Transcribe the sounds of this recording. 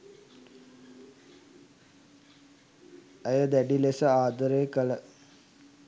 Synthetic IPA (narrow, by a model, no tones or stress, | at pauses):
əjəd̪æɖilesəaːd̪əɾejkələ